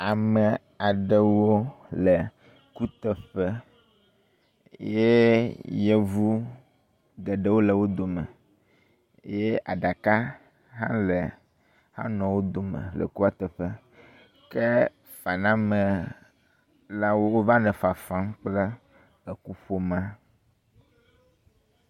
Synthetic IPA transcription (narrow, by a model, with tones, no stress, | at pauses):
a˨mə˨ | a˨ɖə˨wo˦lə˨ | ku˦t̪ə˨ɸə˦ | je˦jɛ˦vu˦ | ɡe˨ɖə˦wo˦lə˨wo˦d̪o˨mə̰̃˨˦ | je˦a̰˨ɖa˨ka˦ | ɦã̰˦le˨ | hã̰˦nɔ̃˨wo˦d̪o˨mə̰̃˨lɛ̰˨ku˦a˦t̪ɛ˨ɸɛ˦ | kɛ˦ | fa˨nã˦mə˨ | la˦wo˦wo˦va˦nɛ̃˨fa˨fa˦mk͡plɛ˦ | ə˨ku˦ɸo˦mã˦